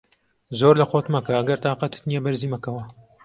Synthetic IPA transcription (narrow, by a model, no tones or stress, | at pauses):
zoːɾlɐxoːt̪mɐkɐɐɡɐɾt̪aːqɐt̪ɨ̥t̪nijɛbɐɾziːmɐkɐwɐ